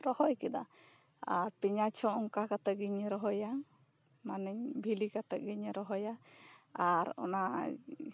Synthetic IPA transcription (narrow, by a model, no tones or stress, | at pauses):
ɾɔhɔjkɛd̪a̰ | aɾpiɲat͡ʃʰɔɔŋkakat̪əɡiɲɾɔɦɔja | manɛɲbʱilikat̪ɛʔ̚ɡiɲɾɔɦɔjaaɾɔ̰na